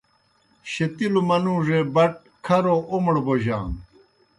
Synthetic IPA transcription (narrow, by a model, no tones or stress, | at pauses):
ɕet̪ilumɐnũːʐeːbɐʈ̚ | kʰɐɾoʔomɽoboʑã̰ːŋ